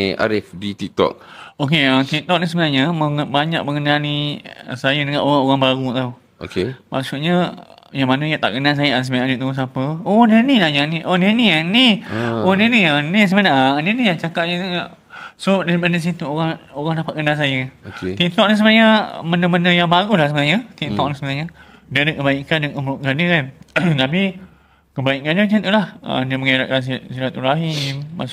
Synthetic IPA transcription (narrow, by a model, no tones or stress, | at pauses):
a̰ɾɪfdit̪ik̚t̪ɔ̰kok̬eət̪ikt̪ɔʔ̚nisəbənaɲaməbaɲa̰k̚məŋənaliə̰sajədəŋãnʔoɣaŋoɣaŋbaɾut̪au | o̰kemasuʔɲə | jaŋmanajat̪aʔɡənals̬ajaasəbaaanet̪uus̬apəonanilajaniʔonenianioniniənis̬əbənaəniənijat͡ʃakat̪̚ɲəa | sodaɾipadəs̬it̪uoɣaŋoɣaŋdapaʔɡənas̬ajakankt̪int̪ɔʔ̚nasəmənaɲamənəmənəjaŋbaɡulahsəbənaɲət̪int̪ɔklasəbənaɲadadəkəbaikandəkəmɾuʔ̪̚kandəkant̪api | kəbaiʔkandəd͡ʒant̪ulahə̰dəməŋeɾa̰ʔ̚kans̬siɾat̪uɾaɦimːa̰s